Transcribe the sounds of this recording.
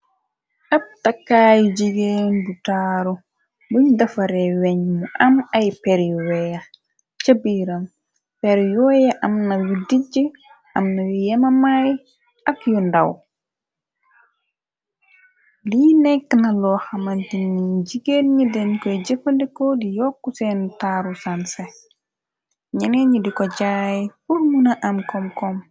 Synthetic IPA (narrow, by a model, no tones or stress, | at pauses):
ʔap̚takːaːjud͡ʒiɡeːndutaːɾu | duɲdafaɾɛwɛɲmɔʔamajpɛɾjɔwɛja | t͡ʃəbiɾam | pɛɾjɔjaʔamnajudid͡ʒə | ʔamnajɔjɛmamaj | ʔakjɔnda̰w | liːnɛkːnɐlɔxɐmɐntinːiɟiɡelɲidɛnkɔjɟefɐndɛkɔdijɔkːusɛntaːɾusanse | ɲɐneɲidikɔɟajpuɾmunaʔɐmkɔmkɔm